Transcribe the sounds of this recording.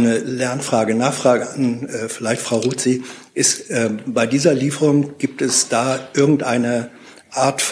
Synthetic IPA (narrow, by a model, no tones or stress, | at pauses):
nəlɛɐnfʁ̥aːɡənaːχfʁ̥aːɡəanɛːfɪlaɪçtfʁ̥aʊʁuːt͡siʔɪstʔɛːbaɪdiːzɐliːfəʁʊŋɡ̥iːp̚tɛsd̥aːʔɪɐɡŋ̩tʔaɪnə | ʔaːɐtf